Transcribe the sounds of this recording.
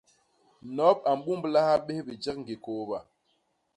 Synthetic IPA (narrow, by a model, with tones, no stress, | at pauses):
nɔ˨˦p̚a˨m̩˨ɓu˦mbla˦ha˦ɓe˦hbi˨d͡ʒɛ˦k̚ŋ̩˨ɡe˨ko˨˦ba˨